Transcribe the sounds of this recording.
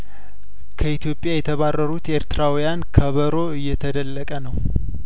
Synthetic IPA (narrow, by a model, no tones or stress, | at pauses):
kʰəit̪ʰjo̞pʼːjajɛt̪ʰəβarːəɾut̪eɾt̪ɨɾawijankʰəβəɾo̞ɨjːɛt̪ʰəd̪əlːəkʼənəw